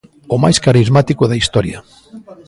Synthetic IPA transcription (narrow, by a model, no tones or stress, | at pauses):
omajskaɾizmat̪ikoðɐist̪ɔɾjɐ̰